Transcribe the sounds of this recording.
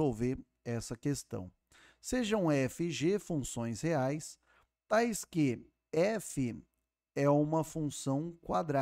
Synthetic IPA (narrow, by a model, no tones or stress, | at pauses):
owveɾ | ɛsɐkest̪ɐ̰̃w̃ | seʒɐ̃w̃ɛfɪʒefũsõj̃sheajs | t̪ajskɪ | ɛfɪ | ɛũmɐfũsɐ̃w̃kwad̪ɾa